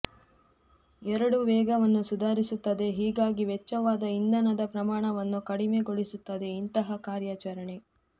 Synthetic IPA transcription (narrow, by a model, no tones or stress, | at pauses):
ɛɾɐɽuʋɛːɡɐʋɐnːusud̪ʱaːɾisut̪ːɐd̪e̞ɦiːɡaːɡiʋɛt͡ʃːɐʋaːd̪ɐind̪ɐnɐd̪ɐpɾɐmaːɳɐʋɐnːukɐɽimeɡoɭisut̪ːɐd̪e̞int̪ɐɦɐkaːɾjaːt͡ʃɐɾɐɳe̞